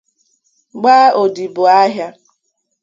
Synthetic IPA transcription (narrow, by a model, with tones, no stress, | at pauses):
ɡ͡baː˦o˨di˨bʊ˨a˦ɦja˦